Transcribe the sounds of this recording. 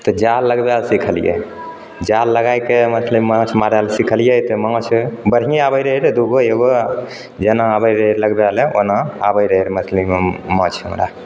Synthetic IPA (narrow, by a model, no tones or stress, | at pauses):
t̪ɔd͡ʒalːəɡbalsikʰəlijḛ | d͡ʒalːəɡajkemət̪ʰləbmə̃t͡ʃʰmaɾalsikʰəlijət̪ɔmət͡ʃʰbəɽɦiabəjɾəɦiɾed̪uɡoeɡo | d͡ʒenaːbəjɾələɡbaleonaabəɾəiɾmət̪ʰləmemɔ̃t͡ʃʰṵmɾa̰